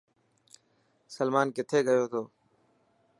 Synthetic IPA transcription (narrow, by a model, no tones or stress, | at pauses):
səlmaːnkɪt̪ʰeːɡəjoːt̪ʰoː